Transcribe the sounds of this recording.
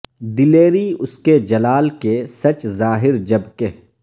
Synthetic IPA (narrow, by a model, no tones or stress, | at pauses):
d̪ɪleːɾiʊsked͡ʒɐlaːlkesɐt͡ʃzaːɦɪɾd͡ʒɐbke